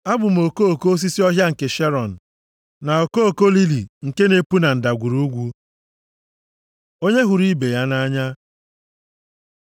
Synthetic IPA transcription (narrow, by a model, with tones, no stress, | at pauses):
a˦bʊ˨m̩˨o˨ko˦o˨ko˦o˦s̬i˦si˦ɔ˦ɦja˦ŋ̩˨ke˨ʃe˦ɾɔ˨n̩˨ | na˨o˨ko˦o˨ko˦li˦li˨ŋ̩˨ke˦ne˦pu˦na˨n̩˨da˨ɡʷu˨ɾu˦ɡʷu˦ | o˦ɲe˦ɦu˨ɾi˦be˨ja˦na˦ɲa˦